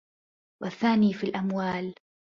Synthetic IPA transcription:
waθːaːniːfilʔamwaːl

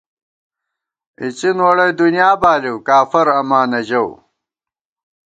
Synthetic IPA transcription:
it͡ɕinwɐɽɐjd̪unjaːbaːliwkaːfɐɾɐmaːnɐʑɐw

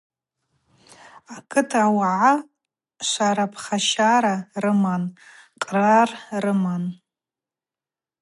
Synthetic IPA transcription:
akʰʼɨtʰawaʕa | ʃʷaɾapʰχaʃaɾarɨmanqʼrarrɨman

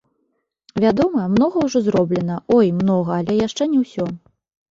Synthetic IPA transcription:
vʲad̪ɔmɐmn̪ɔɣɐwʐɔzɾɔblʲɛn̪ɐɔjmnɔɣɐːlʲɛjaʂt͡ʂɛnʲɛwsʲɔ

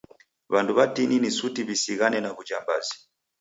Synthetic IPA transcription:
βanduβatininisutiβisiɣanɛnaβud͡ʒambazi

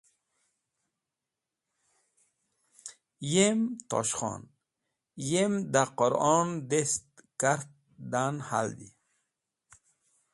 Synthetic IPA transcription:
jemt̪ɔ̰ʃχɔ̰n | jemd̪aqoɾɔnd̪est̪kaɾt̪̚ | d̪anha̰ld̪ḭ

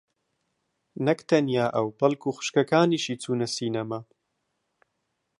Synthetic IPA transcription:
nɐkt̪ʰɐnijaːʔɐwbɐlkʰuːxʊ̥ʃkɐkaːniːʃiːt͡sʰuːnɐsiːnɐma

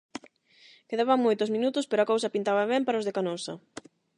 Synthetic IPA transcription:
keðaβɐŋmojt̪ʊzmĩnut̪ʊspeɾoakowsɐpint̪aβɐβɛmpaɾaʊzðekanosɐ

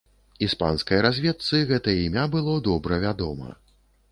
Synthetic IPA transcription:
ispa̰nskɐjɐɾazʲvʲɛt̪sɨɣɛt̪ɐjɐimʲabɨlˠɔd̪ɔbɾɐvʲad̪ɔmɐ̰

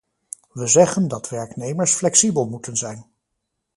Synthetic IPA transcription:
ʋəzɛχəndɑtʋɛɹknejməɹsflɛksibəlˠmutənzɛjn

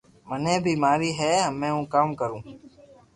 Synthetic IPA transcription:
mənẽːbʱiːmaːɾiːɦɛːmẽːũːkaːmkəɾũː

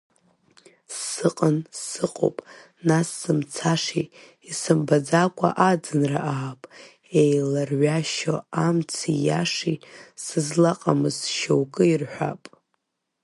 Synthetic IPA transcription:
sɨqʼənssɨqʼo̰pʼ | nasːɨmt͡sʰaʂiː | sɨmbad͡zakʷʰʼa̰ʔad͡zɨnra̰ʔaːpʼ | ejlarɥaʃoamt͡sʰijaʂisɨzlaqʼamɨzʃowkʼɨirħʷᶣa̰pʼ

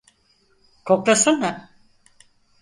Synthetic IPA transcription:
kʰok̚t̪asɯnːa

